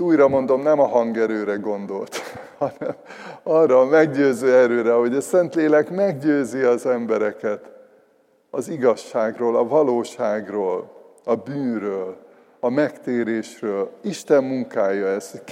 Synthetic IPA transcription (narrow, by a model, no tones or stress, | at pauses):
uːjɾɒmo̞nd̪o̞mnɛmɒɦɒŋɡɛɾøːɾɛɡo̞nd̪o̞lt̪hɒnɛmɒrːɒːmɛɡɟøːzøːɛɾøːɾɛɦo̞ɟɒsɛnt̪leːlɛkmɛɡɟøːziɒzɛmbɛɾɛkɛt̪ | ɒziɡɒʃːaːɡroːlɒvɒloːʃaːɡroːlɒbyːnrøːl | ɒmɛkt̪eːɾeːʃrøːliʃt̪ɛmːuŋkaːjɒɛs